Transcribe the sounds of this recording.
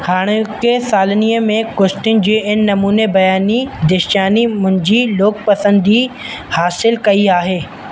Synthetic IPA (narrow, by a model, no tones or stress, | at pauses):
haːɽ̃kesaːlniːəmẽkʊsʈɪnɪ̆d͡ʑiːɪnːɐmuːnebɐjaːnid̪ɪʃaːnimʊ̃nd͡ʑiloːk̚pɐsə̃nd̪i | haːsɪlkɐiaːɦeː